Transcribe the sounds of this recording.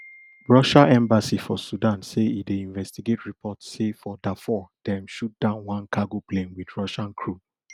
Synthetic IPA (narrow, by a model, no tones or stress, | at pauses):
ɹɔʃaʔɛ̃mbasifɔsudãnseideĩɱvɛstiɡetɹipʰɔtssefɔdɛfɔd̥ɛ̃mʃut̚d̥ãʊ̃nwãnkaɡoplẽmwidɹɔʃãnkʰɹu